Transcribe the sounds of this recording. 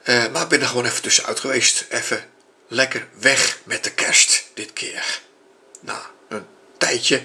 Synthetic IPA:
əmaɪɡ̚bɪndəxəʋoːnɛfətøsəœ̰ɥtχəʋejstɛfə | lɛkərʋɛxmɛt̚dəkʰɛstd̥ɪtkʰɪːər | na̰ | ən | tɛjtjə

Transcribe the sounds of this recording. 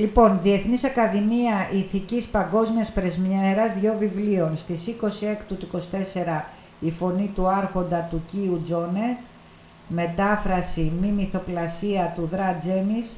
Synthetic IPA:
lipo̞nðie̞θnisɐkɐðimiɐʔiθicispɐŋɡo̞zmiɐspɾe̞zmeɾɐzðʝo̞vivlio̞nst̪isiko̞sie̞kt̪ut̪uiko̞si̥t̪e̞se̞ɾɐ | ifo̞nit̪uɐɾxo̞nd̪ɐt̪uciud͡zo̞ne̞ | me̞t̪ɐfɾɐsimimiθo̞plɐsiɐt̪uðɾɐd͡zemis

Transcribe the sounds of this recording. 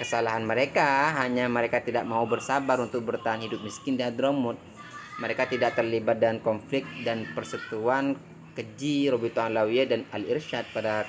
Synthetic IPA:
kəsalaɦanməɾekaɦaɲaməɾekat̪idaʔ̚maubərsabaɾunt̪ʊk̚bərt̪aɦanhidʊp̚miskɪndiad̪ɾomʊt̪̚ | məɾekat̪idaʔ̚t̪ərlibat̪̚dəankɔnflɪk̪̚danpərsut̪uan | kəd͡ʒiɾobit̪oanlawiɛdanalirʃat̪̚pada

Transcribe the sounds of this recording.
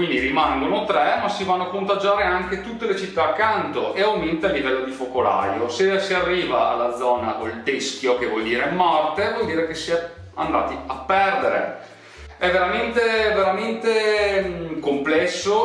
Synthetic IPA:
kwind̪iɾimaŋɡonot̪ɾɛmasivanːoakont̪ad͡ʒaːɾeaŋket̪ut̪ːelet͡ʃit̪ːaːkːant̪oʔeawment̪alːivɛlːod̪ifokola̰josesiarːiːva̰ːlːad̪zɔːna̰ʔold̪eskjokevwɔld̪iːɾemːɔrt̪evwɔld̪iːɾekesia | a̰nd̪a̰ːt̪iapːɛrd̪eɾḛ | ɛveɾament̪eveɾament̪e | komplɛsːo

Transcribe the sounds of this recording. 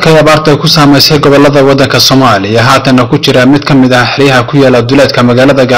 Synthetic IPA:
kʰɛjɐβaːrd̪ʰɛjkʰʊsaːmɛjsɛjɡɔβɔlːɐðɐwɑd̪ːɐŋkʰɐsɔːmaːlɪjɐɦaːt̪ʰɐnːɐkʰʊt͡ʃɪɾɐmɪd̪kʰɐmɪðɐhħɪɾɪjɐɦɐkʰʊjaːlɐd̪ʊlɛːd̪kʰɐmɐɣaːlɐðɐɡa

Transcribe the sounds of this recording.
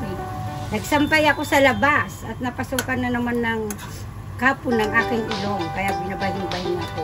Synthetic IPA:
nɐɡ̚sɐmpajɐko̞sɐlɐbasɐt̪̚nɐpɐsukɐnːɐnɐmanːɐŋ | kaːpʊnːɐŋʔaːkɪŋʔɪlo̞ŋkɐjabɪnɐbahɪŋbɐjɪna

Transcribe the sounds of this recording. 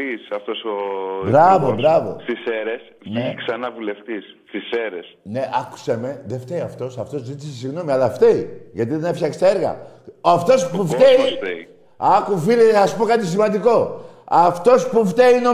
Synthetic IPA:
isɐft̪osobɾɐvobɾɐvo̞̰st̪iseɾes | neksɐnɐvule̞ft̪isst̪iseɾesne̞ʔɐku̥seme̞ðeft̪eiɐft̪o̞sɐft̪o̞zzit̪isesiɣno̞miɐlɐft̪e̞iʝɐt̪iðenefçɐkst̪eɾɣɐ̰ɐft̪o̞spuft̪eit̪ei | ɐkufiliɐspo̞kat̪̬is̬imɐnd̪iko̞ɐft̪o̞spuft̪eino

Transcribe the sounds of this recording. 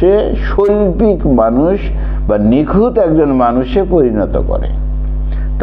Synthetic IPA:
eʃolpikmanuʃ | banikʰut̪ɛk̚d͡ʑonmanuʃepoɾinɔt̪o̰kɔ̰ɾḛ | t̪

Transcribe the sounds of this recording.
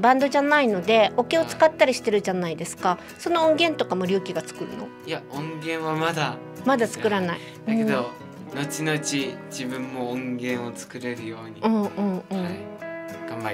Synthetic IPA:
bãnd̪o̞ʑanaino̞d̪e̞o̞ke̞o̞t͡sɨ̥kat̪ːaɾʲiɕi̥t̪e̞ɾɯ̟ʑanaid̪e̞sɨ̥ka | so̞no̞õŋɡẽ̞nt̪o̞kamo̞ɾʲɨ̟ːkʲiɡat͡sɨ̥kɯ̟ɾɯ̟no̞̰ | ijaõŋɡẽ̞ɰ̃βamad̪a | mad̪at͡sɨ̥kɯ̟ɾanaii | ɯ̟̃o | no̞t͡ɕino̞ɯt͡ɕid͡ʑibɯ̟̃mːo̞õŋɡẽ̞ɰ̃o̞t͡sɨ̥kɯ̟ɾe̞ɾɯ̟jo̞ːɲiɯ̃ːɴɯ̟̃ːɴɯ̟̃ːɴ | ɡ̥ãmba

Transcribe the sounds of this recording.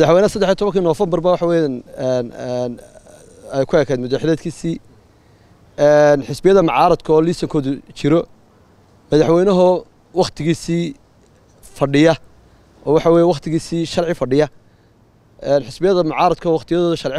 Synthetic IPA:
mɐðɐħwɛjnɐsɐd̪ːɛħiɐt̪ʰɔβɐŋkʰinɔːfɐmbɐrbɐwɑħɑwɛːjanɛnɛn | ɛjkʰʊɛːkʰɛːd̪mʊd̪aħɪlɛːd̪kʰiːsiː | ɛnħɪsbɪjɐðɐmɑʕɑːɾɐd̪kʰːliːsɐŋkʰɔːðʊt͡ʃɪɾɔ | mɐðɑħwɛjnɐɦʊ | wɑχt̪ʰɪɣiːsiː | fɐɖɪjɐ | ʔɔːwɑħɑwɛːjɛwɑχt̪ʰɪɣiːsiːʃɐrʕɪfɐɖɪjɐ | ʔɛnħɪsbɪjɐðɐmɑʕɑːɾɐd̪kʰɐːwɑχt̪ʰɪjɐðɔːðʊʃɐrʕɪ

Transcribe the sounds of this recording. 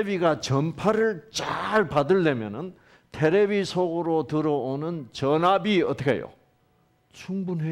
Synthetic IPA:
biɡat͡ɕʌnpʰaɾɯɭt͡ɕaɭpadɯɭːemjʌnɯn | tʰeɾebisʰoɡoɾotɯɾʌonɯnt͡ɕʌnabiʌ̰t͈ʰʌkʰḛjo̰ | t͡ɕʰuŋbunɦe

